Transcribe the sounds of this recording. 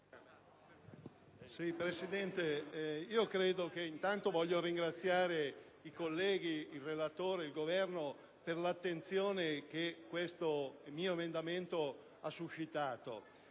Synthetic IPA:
sipɾesid̪ɛnt̪eiːokɾeːd̪ok̟eint̪ant̪ovɔʎːoɾiŋɡɾat̪sːjaːɾe | ikolːɛːɡ̟iilrelat̪oːɾeilɡovɛrno | perlat̪ːent̪sjoːnek̟ekːwest̪omiːoemend̪ament̪o | asːuʃːit̪aːt̪o̰

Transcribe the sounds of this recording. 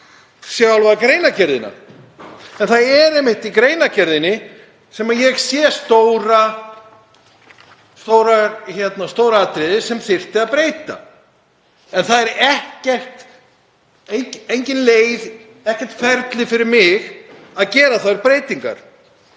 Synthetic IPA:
sjawlvaðakɾeːjnacɛɾðɪna̰ | ɛnθaðɛɾɛjmːɪht̪ikɾeːjnacɛɾðɪnɪ | sɛmaðjɛɣsjɛst̪owɾa | st̪oːwɾaçɛt̪nast̪oːwɾaat̪ɾɪðɪsɛmθɪr̥t̪ɪaðpɾeːjt̪a̰ | ɛnθaðɛɾɛhcɛr̥t̪ | ejejɲcɪnleːjð | ɛhcɛr̥t̪fɛɾt̪lɪfɪɾɪɾmɪɣ | aðcɛːɾaθaɾpɾejt̪iŋka̰ɾ̥

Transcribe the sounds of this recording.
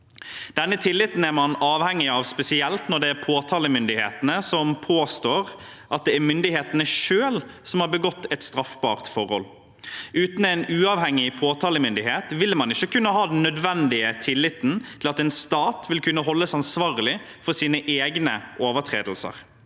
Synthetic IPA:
d̪̥ɛnːət̪ʰɪlːɪt̪n̩æɾmɑnɑːʋhɛŋːɪɑʋspɛsɪɛlt̪nɔɖ̪ɛæɾpʰoːt̪ʰɑːləmʏnd̪ɪhḛːt̪ənəsɔmpʰoːst̪oːʁ | ʔɑt̪̚d̪ɛæɾmʏnd̪ɪheːt̪ənəʃøːl | sɔmhɑːɾbəɡɔt̪ːɛt̪st̪ɾɑfbɑ̰ːʁt̪fɔʁhɔl | ʔʉːt̪n̩ɛɪnʉːɑːʋhɛŋːɪpʰoːt̪ʰɑːləmʏnd̪ɪheːt̪ʋɪlmɑnɪçːəkʉnːəɦɑːd̪ɛn̩ːœd̪ʋɛnd̪ɪət̪ʰɪlːɪt̪ːn̩t̪ʰɪlɑt̪ɛːnst̪ɑːt̪ʋɪlkʉnːəɦɔlːəsɑnsʋɑːɾəlɪ | fɔɾsiːnəʔeːɡnəʔoːʋəɾt̪ʰɾḛːd̪lsə̰ʁ

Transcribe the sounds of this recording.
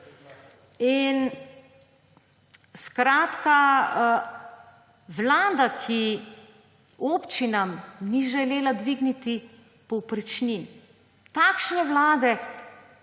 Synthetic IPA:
in | skɾaːt̪ka | ʋlaːd̪akʰi | oːpt͡ʃinamniʒɛleːlad̪ʋiɡnit̪i | pɔwpɾit͡ʃnim | t̪aːkʃnɛʋlaːd̪ɛ

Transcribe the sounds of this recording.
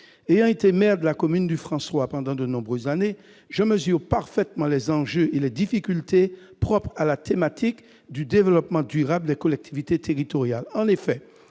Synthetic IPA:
ejɑ̃et̪emɛʁd̪əlakɔmynd̪yfχɑ̃swapɑ̃d̪ɑ̃d̪ənɔ̃bʁøzːane | ʒəməzyʁpaʁfɛt̪mɑ̃lɛzɑ̃ʒøʔelɛd̪ifikʲylt̪e | pχɔpχalat̪emat̪ʰik | d̪yd̪evəlɔpmɑ̃d̪yʁabld̪ɛkɔlɛk̚t̪ʰivit̪et̪eʁit̪ɔʁjalɑ̃nefɛ

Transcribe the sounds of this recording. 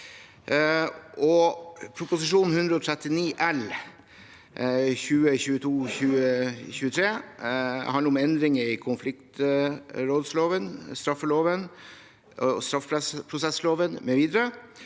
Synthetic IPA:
ʔɔpʰɾʊpʊsɪʂuːnn̩hʉnd̪ɾəɔt̪ʰɾɛt̪ɪniːʔɛl | çʉːəçʉːət̪ʰuːçʉːəçʉːət̪ʰɾeː | hɑnəɾɔmɛnd̪ɾɪŋɪkʰʊnflɪkt̪ | ɾoːd̪sloːʋənst̪ɾɑfːəloːʋən | st̪ɾɑfpʰɾɛspʰɾʊsɛsloːʋənmɛʋiːd̪əɾə

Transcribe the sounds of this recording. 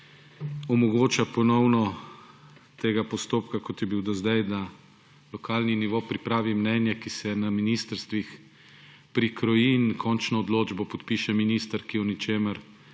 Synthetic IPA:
ɔmɔɡoːt͡ʃapɔnɔwnɔ | t̪eːɡapɔst̪oːpkakɔt̪jɛbiwd̪ɔzd̪ajd̪a | lɔkaːlniniʋopɾipɾaːʋimnɛnjɛkisɛnaminist̪əɾst̪ʋix | pɾikʰɾɔjinkʰɔnt͡ʃnɔːd̪loːd͡ʒbɔpɔt̪piʃɛminiːst̪əɾkijɔnɛt͡ʃeːməɾ

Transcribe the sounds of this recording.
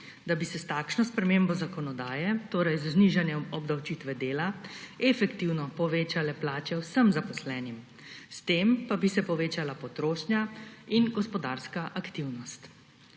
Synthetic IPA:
d̪abisɛst̪aːkʃnɔspɾɛmeːmbɔzakɔnɔd̪aːjɛt̪oːɾajzazniʒanjɛmɔbd̪awt͡ʃiːt̪ʋɛd̪eːlaɛfɛkt̪iwnɔpɔʋeːt͡ʃalɛplaːt͡ʃɛwsəmzapɔslɛːnim | st̪eːmpabisɛpɔʋeːt͡ʃalapɔt̪ɾoːʃnjainɡɔspɔd̪aːɾskaʔakt̪iwnɔst̪

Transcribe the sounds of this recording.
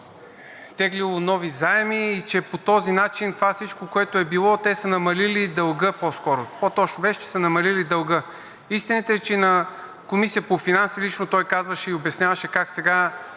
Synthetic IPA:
t̪ɛɡlilˠonɔvizaɛmiːt͡ʃɛpot̪ɔzinat͡ʃint̪ovafsit͡ʃkokoɛt̪oɛbilˠɔt̪ɛsənɐmɐlilid̪ɐlˠɡɤpɔskɔɾopot̪ɔt͡ʃnobɛʃɛ̥t͡ʃɛ̥sənɐmɐlilid̪ɐlˠɡɤ | ist̪init̪ɛt͡ʃɛinɐ | komisijəpofinansilit͡ʃnot̪ɔjkazvəʃɛiobɐsnʲavɐʃɛkaksɛɡa

